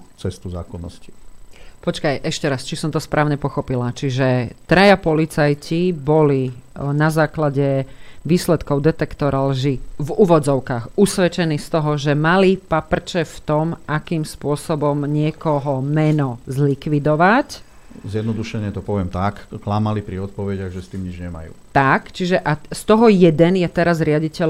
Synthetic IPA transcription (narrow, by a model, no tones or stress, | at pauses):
t͡sɛst̪uza̰ːkɔnːɔ̰sci̥pɔt͡ʃkajʔɛʃcɛɾast͡ʃisɔmt̪ɔspɾʔaːʊɲɛpɔxɔpilat͡ʃiʒɛt̪ɾajapɔlit͡sajcibɔlinazaːklaɟɛʋiːslɛt̪kɔʊd̪ɛt̪ɛkt̪ɔɾalʒivuːʋɔd͡zɔʊkaːxusʋɛt͡ʃɛniːst̪ɔɦɔʒɛmalipapr̩t͡ʃɛft̪ɔmʔakiːmspʊɔsɔbɔmɲɪɛkɔɦɔmɛnɔzlikʋid̪ɔʋac | zɪjɛd̪nɔd̪uʃɛɲɪɛt̪ɔpɔʋɪɛmt̪akklamalipɾiɔt̪̚pɔʋɛɟaɣʒɛst̪iːmɲid͡ʒɲɛma̰jṵːt̪akt͡ʃiʒɛʔast̪ɔɦɔjɛd̪ɛnjɛt̪ɛɾazɾɪaɟicɛl